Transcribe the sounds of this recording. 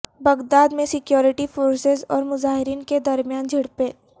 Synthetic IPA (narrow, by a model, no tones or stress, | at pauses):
bɐɡd̪aːd̪mẽsɪkjɔːɾɪʈifoːɾsezɔ̰ːɾmʊzaːɦɪɾiːnked̪ɐɾmijaːnd͡ʒʱɪɽpeː